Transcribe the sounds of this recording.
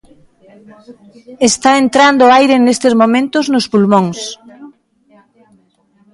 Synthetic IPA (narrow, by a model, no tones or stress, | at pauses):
est̪aent̪ɾand̪ʊajɾenest̪ɪzmomẽnt̪ʊznʊspulmõŋs